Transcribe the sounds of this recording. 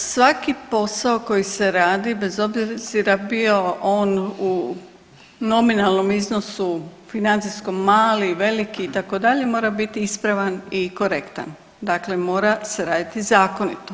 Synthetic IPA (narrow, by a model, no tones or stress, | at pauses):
sʋakipo̞saoko̞jise̞ɾaːd̪ibe̞zo̞bziziɾabio̞ʔoːnu | no̞minalˠno̞mizno̞sufinant̪sisko̞maːliʋe̞likiːt̪ako̞d̪aʎe̞mo̞ːɾabit̪iispɾaʋaniko̞ɾe̞kt̪a̰n | d̪akle̞mo̞ːɾase̞ɾaːd̪it̪izaːko̞nḭt̪o